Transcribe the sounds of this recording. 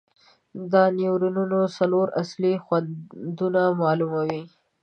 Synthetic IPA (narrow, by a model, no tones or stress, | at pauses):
d̪əniwɾununosaloɾaslixwand̪unamɑlumawi